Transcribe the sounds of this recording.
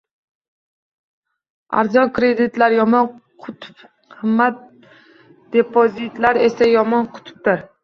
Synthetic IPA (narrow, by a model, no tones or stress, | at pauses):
a̰ɾzɒnkɾed̪ɪt̪laɾjɒmɒnqʰʊt̪ʰʊ̥p | hɨmːat̪̚ | d̪̥epʰozit̪laɾe̞sajɒmɒnqʰʊ̥t̪ʰʊ̥p̚t̪ɪɾ